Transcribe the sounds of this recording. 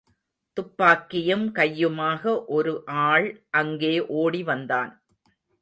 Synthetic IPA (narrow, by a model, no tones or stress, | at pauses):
t̪ʊpːaːkːɪjɐmkɐjːɯmaːɣɐʔɔɾɯʔaːɭʔɐŋɡeːʔoːɽiʋɐnd̪aːn